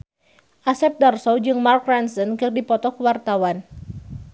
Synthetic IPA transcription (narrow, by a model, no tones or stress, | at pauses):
ʔasɛp̚darsɔd͡ʒɨŋmarkransənkɨrdipɔt̪ɔkuwart̪awan